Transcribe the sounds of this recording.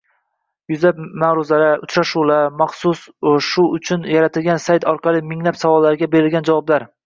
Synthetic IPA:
jʊzlapmaɾʊzaɾaʊt͡ʃɾaʃulamɑχsʊsʃʊʊt͡ʃʰʊnjaɾat̪ʰɪlɡʲansajt̪ʰɒɾqʰɑlˠɪmɪŋlapsavɒlːaɾɪɡʲabe̞ɾɪlɡʲand͡ʒavɒblaɾ

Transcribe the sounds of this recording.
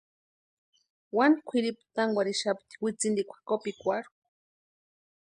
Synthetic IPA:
wankʷʰiɾipt̪aŋɡʷwaɾiʃapt̪i̥wit͡sind̪ikʷʰḁkopikʷaɾk

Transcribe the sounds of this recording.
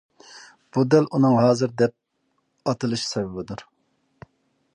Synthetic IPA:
b̥ud̪ɛlunɨŋɦɑːzɨɾd̪ɛp̚ | ɑt̪ʰɨlˠɨʃsɛbɛbɪd̪uɾ

